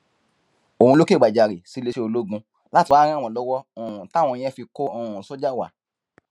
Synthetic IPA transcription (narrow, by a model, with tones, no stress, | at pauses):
o˨ũ˧lo˦ke˦˨ɡ͡ba˨d͡ʒa˨ɾe˨si˨˦le˧ʃe˦o˧lo˦ɡũ˧ | la˦ti˧waː˨˦ɾ̃ã˦˨w̃ɔ̃˧˨lɔ˦wɔ˦õ˨ũ˨tã˦˨ɔ̃˧ĩ˧˦ɛ̃˦fi˧ko˦õ˨ũ˨so˦d͡ʒa˦˨wa̰˨